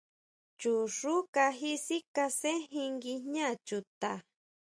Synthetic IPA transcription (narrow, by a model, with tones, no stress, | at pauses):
t͡ʃu˨ʂu˦ka˧ɦi˦si˦ka˧se˦ɦĩ˧ŋɡi˧ɲã˦˨t͡ʃu˨t̪a˧˨